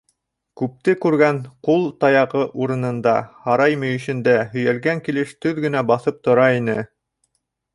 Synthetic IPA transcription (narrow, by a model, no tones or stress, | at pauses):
kʉp̚t̪ɘkʉɾɡæɴqulˠt̪ɑjɑʁɤʔuɾɤ̆nɤ̆nd̪ɑhɑɾɑjmɵ̆jɵ̆ʃɘ̆nd̪æɦɵ̆jælɡæŋkilɘʃt̪ɵðɡɘ̆næbɑθɤp̚t̪ŏɾɑinɘ